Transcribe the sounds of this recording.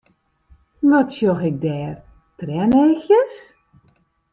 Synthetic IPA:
ʋɔtsjoxɪk̚dɛːr | trɛnejxjəs

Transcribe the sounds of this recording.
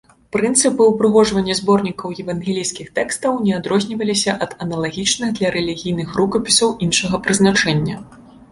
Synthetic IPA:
pɾɨnt̪sɨpɨwpɾɨɣɔʐvɐnʲːɐzbɔrnʲikɐwjɛvɐnɣʲɛlʲijskʲixt̪ɛkst̪ɐwnʲɛad̪ɾɔzʲnʲivɐlʲisʲɐʔɐd̪ɐnɐlˠaɣʲit͡ʂnɨɣd̪lʲɐɾɛlʲiɣʲijnɨxrukɐpʲisɐwʔinʂɐɣɐpɾɨznat͡ʂɛnʲːɐ

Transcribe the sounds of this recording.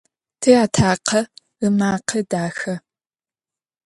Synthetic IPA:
tʰejaːtʰaːqʰɐ | ɨmaːqʰɐdaːxɐ

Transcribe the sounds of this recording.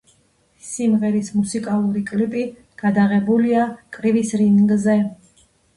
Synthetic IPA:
simʁɛɾismusikʼalˠuɾikʼlipʼi | ɡ̥ad̪aʁɛbuliakʼɾivisɾinŋɡzɛ

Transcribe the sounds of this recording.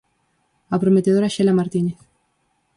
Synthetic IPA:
apɾomet̪eðoɾaʃelamaɾt̪ineθ

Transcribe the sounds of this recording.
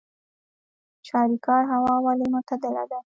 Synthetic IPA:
t͡ʃɑɾikɑɾɦawɑwalimot̪ad̪əla̰d̪a

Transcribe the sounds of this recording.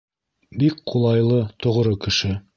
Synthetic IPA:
bik̚qʰulˠɑjlˠɤt̪ʰŏʁɾɤkɘ̆ʃɘ

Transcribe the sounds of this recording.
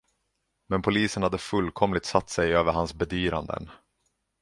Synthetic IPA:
mɛnpʰʊliːsənhad̪ːəfɵlːkʰɔmlɪt̪sat̪ːsɛjøːvəɾhansbɛd̪yːɾand̪ə̰n

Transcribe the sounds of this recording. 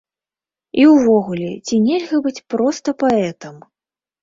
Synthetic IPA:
iwvɔɣulʲɛt͡sʲinʲɛlʲɣɐbɨt͡sʲpɾɔst̪ɐpaɛt̪ɐm

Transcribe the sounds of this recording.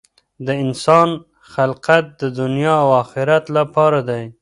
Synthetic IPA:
d̪əɪnsɑn | xalqat̪̚d̪əd̪ʊnjɑawɑxɪɾat̪lapɑɾad̪aj

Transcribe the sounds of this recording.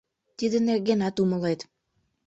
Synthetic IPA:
t̪id̪ɘ̆nerɡenɑt̪umɤ̆lˠɑjt̪

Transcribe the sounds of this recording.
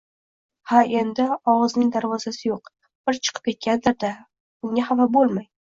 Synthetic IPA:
hae̞nd̪ɪɒwɑznɪŋd̪aɾvɒzasɪjoq | b̥ɪɾt͡ʃʰɨ̥qʰɨ̥p̚kʲe̞t̪̚kʲand̪ɪɾd̪a | b̥ʊŋʲahavabolˠmaj

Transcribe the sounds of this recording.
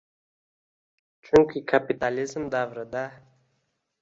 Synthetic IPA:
t͡ʃʊŋkʰikʰapit̪alɪzmd̪avɾəd̪a

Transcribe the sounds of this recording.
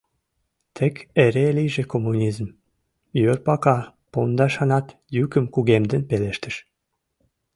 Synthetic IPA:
t̪ʰekeɾeliʒekomːunʲizm | jørpɑkɑ | pond̪ɑʃɑnɑt̪ | jykə̆mkuɣemd̪ə̆npeleʃt̪ə̥̆ʃ

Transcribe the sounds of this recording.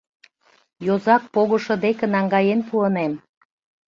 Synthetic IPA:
jozɑk̚poɣŏʃɤ̆d̪ekə̆nɑŋɡɑjenpuənem

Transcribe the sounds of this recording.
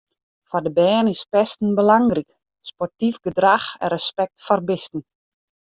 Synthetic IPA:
fɔdəbɛːnɪspɛstn̩bəlaŋrik | spɔrtifɡədraxɛ̰ɾəspɛk̚tfɔrbɪstn̩

